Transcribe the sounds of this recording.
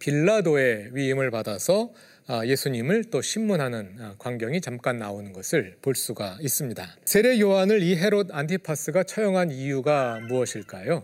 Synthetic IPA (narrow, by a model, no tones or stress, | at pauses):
piɭːadoe̞ɥiimɯɭpadasʰʌ | je̞sʰuɲimɯɭt͈oɕʰimːunɦanɯnkwaŋɡjʌŋit͡ɕamk͈anːaonɯnɡʌsʰɯɭpoɭs͈uɡais͈ɯmɲidasʰe̞ɾe̞joɦanɯɭiɦe̞ɾodantʰipʰas͈ʰɯɡat͡ɕʰʌjʌŋɦanijuɡamuʌɕʰiɭk͈ajo